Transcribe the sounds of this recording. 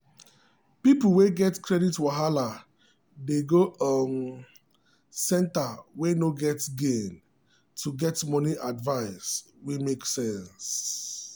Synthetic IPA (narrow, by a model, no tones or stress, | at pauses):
pipl̩weɡɛtkʰɹɛditwaɦala | deɡoʔɔn | sɛ̃ntawenoɡɛtɡẽn | tʰuɡɛtmɔniʔadvaɪs | wemeksɛ̃ns